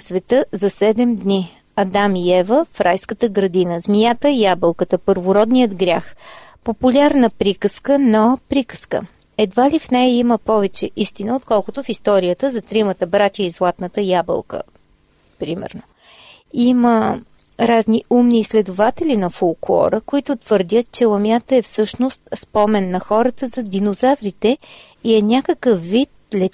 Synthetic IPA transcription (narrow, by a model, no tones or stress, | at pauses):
svɛt̪ɤzɐsɛd̪ɛmd̪ni | ɐd̪amiɛvəfɾajskət̪əɡɾɐd̪inəzmijat̪əjabəlˠkət̪əpəɾvʊɾɔd̪nijəd̪ɡɾʲjaxpopulʲaɾnəpɾikəskənopɾikə̥skə̰ | ɛd̪valʲifnɛjəiməpɔvɛt͡ʃɛʔist̪inəot̪kɔlˠkʊt̪ʊfist̪ɔɾiət̪əzɐt̪ɾimət̪əbɾat̪ʲjəizlˠat̪nət̪əjabə̰lˠkə̰ | pɾimɛ̰ɾno | imə | ɾazniumniːslɛd̪ʊvat̪ɛlʲinɐfolˠklˠɔ̰ɾəkoit̪ʊt̪v̥əɾd̪ʲət̪̚t͡ʃɛlˠɐmʲjat̪əɛfsɤʃnost̪spɔmɛnːɐxɔɾət̪əzɐd̪inozavɾit̪ɛ | iɛnʲakəkəfːit̪̚lɛ